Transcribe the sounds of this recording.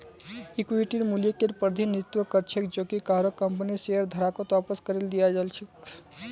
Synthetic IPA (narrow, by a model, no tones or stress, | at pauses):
ikʋiʈiɾmuljekeɾpəɾd̪ʱinɾt̪ʋəkəɾt͡ʃʰek̚d͡ʒokikaɦɾokːəmpniseəɾd̪ʱəɾakot̪apəskəɾeld̪ijad͡ʒalt͡ʃʰek